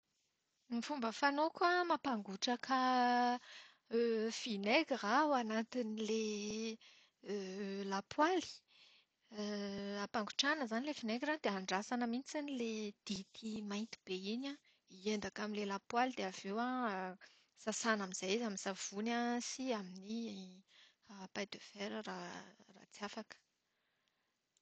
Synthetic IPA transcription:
mifumbəfanokamapaŋɡuʈ͡ʂakʰə | fineɡirawanat̪inile | lapʰwali̥ | apaŋɡuʈ͡ʂanəzanilefineɡrand̪eaɳɖ͡ʐasanəmint͡siniled̪̥it̪ʰimajnt̪i̥b̥eina | iend̪akaminlelapwalid̪eavewa | sasanamiz̥ajizaminsav̥unasiamini | apajd̪øveɾərara̰t͡siafakə̥

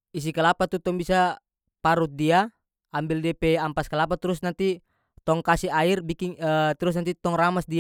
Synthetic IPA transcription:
is̬ikalapat̪ut̪ɔŋbisa | paɾut̪̚diaː | mbildiapɛampaskalapat̪ɾusnant̪i | t̪ɔŋkasiairbikiŋət̪ɾus̬nant̪it̪ɔŋramasdia

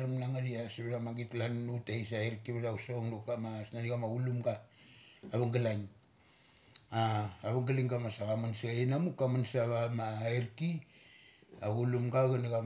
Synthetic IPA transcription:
ɾamnaŋaɾiasiβeɾamaɡitlanutaisaeɾkiβeɾausoŋdukamasnaniɡamaɡulumɡaː | βaŋɡalaŋ | aːβaŋɡaliŋɡamasaɣamansaenamukamansaβamaeɾki | aɡulumɡaɣanaɣa

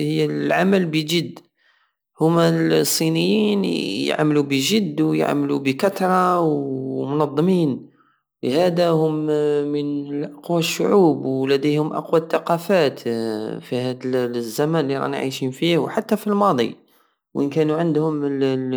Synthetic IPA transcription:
həjːælʕa̰mælbəʒəd̪ː | hʊmːæsˤːinəjːinj̰ʕmlubəʒəd̪ːwj̰ʕmlubəkɑt̪ɾˤɑwmʊnɑd̪ˤːmiːn | ləhæd̪æhʊmmənlʔɑqwæʃːʊ̰ʕuːbwlæd̪əjhʊmʔɑ̰qwæt̪ːɑqɑfæt̪fihæd̪zːæmænlːiɾˤɑ̰nʕḭʃinfihwħat̪ːæfilmɑd̪ˤḭ | wʔənkænuʕənd̪hʊməl

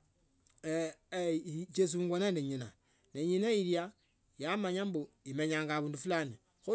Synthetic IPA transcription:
t͡ʃes̬uːŋɡwanendeɲina | neɲinaiɾja | jamaɲambuimeɲaːŋɡaβuːndufulani | xu

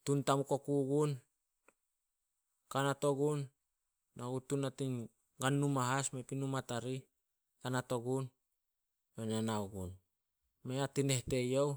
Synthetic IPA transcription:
tuntamukokuɡun | kanato̞ɡunː | aɡutunatin | ɡanːumaɦasmepinumataɾi | kanato̞ɡun | benanawɡṵn | meatine̞hte̞jow

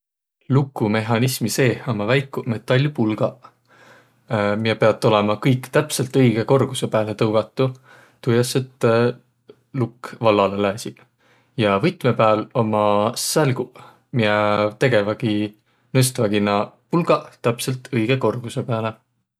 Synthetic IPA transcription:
lukːˑume̞ɦɑnismise̞ːo̞mɑvæjkːˑume̞t̪ˑːɑlʲːupulɡ̥ɑ | mijepe̞ɑt̪ːˑo̞le̞mɑkɤjkːt̪æpse̞lt̪ɤjɡ̥e̞ko̞rɡ̥use̞pæːle̞t̪ɤwɡ̥ɑt̪ːˑu | t̪ujɑset̪ | lukːvɑlːɑlelæːsʲi | jɑvɤjt̪ˑme̞pæːlo̞mɑsælɡ̥u | mijet̪e̞ɡe̞væɡ̥i | nɤst̪væɡ̥inɑpulɡɑt̪æpse̞lt̪ʰɤjɡ̥e̞ko̞rɡ̥use̞peæɑle̞

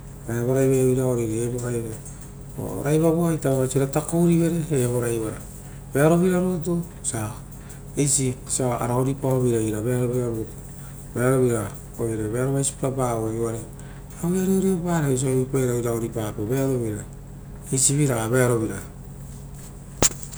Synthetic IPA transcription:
aβoɾajβaβiɾaoɾiɾeβoɾaje | o̰ɾajβaβoajtaββasiɾatakoɾiβe̞ɾe̞ːβoɾajβaɾa | be̞aɾo̞βiɾaɾut̬u | sa | ejsisaa̰ɾaoɾipaoβiɾaiɾaβeaɾo̞βiɾaɾutu̥ | beaɾo̞βiɾa | oiɾeβeaɾoβajsi̥pabaoeaɾe | aiaɾeoɾiobaːɾeis̬oβipaeɾawɾaoɾipapoβeaɾo̞βiɾa | ejsiβiɾaβeaɾo̞βiɾa

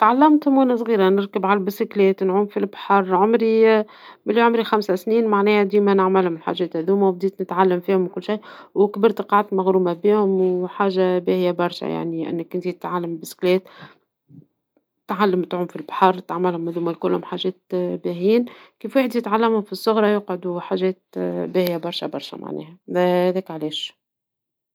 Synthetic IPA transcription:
t̪ʕalːæmt̪hʊmunasˤɣiːɾanɪɾkəbʕalbɪsɪklɛːt̪nʕuːmfilbħɑɾˤʕʊmɾi | mɪlːiʕʊmɾixamsasniːnmaʕnɛːhd̪iːmænɪʕmælhʊmɪlħa̰ʒːɛːt̪hæðuːmawb̚d̪iːt̪nɪt̪ʕalːamfiːhʊmkʊlːʃijːwɪkbɪɾt̪qɑʕat̪maɣɾuːmabiːhʊmwħaːʒabæhɪjæbɑɾˤʃæ̰ja̰ʕnilʔɪ̰nːɪkʔɪnt̪it̪ɪ̥t̪ʕalːambɪsklɛːt̪ | t̪ʕalːəmt̪ʕʊmfilbħɑɾˤt̪aʕmɪlhʊmhæðuːmælkʊlːhʊmħaʒɛːt̪̚bæɦiːnkiːfweħd̪ijɪt̪ʕalːæmhʊmfisˤːʊɣɾˤɑjʊqʕʊd̪uħaːʒɛːt̪̚bæːhjæbɑɾˤʃæbɑɾˤʃæ̰ma̰ʕnɛ̰ːhæhæðɛːkʕlɛːʃ

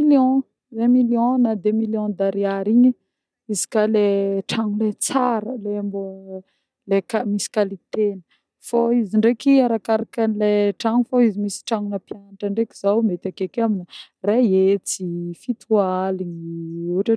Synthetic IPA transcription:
iljɔ̃ | zemiljɔ̃nad̪emiljɔ̃d̪aɾiaɾiɲə | izi̥kaleʈ͡ʂaŋulet͡saɾəleambo | lekamisi̥kalit̪enə̥ | foiziɳɖ͡ʐekiaɾakaɾakanleʈ͡ʂaŋufoizimisi̥ʈ͡ʂaŋunəpjanaʈ͡ʂəɳɖ͡ʐekizawmet̪akekaminə | reet͡sifit̪ʰualiɲiuʈ͡ʂa

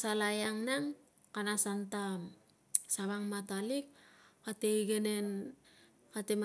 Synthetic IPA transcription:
salajaŋnaŋ | kanasanta | saβaŋmatalikkateiɡene̞n | katem

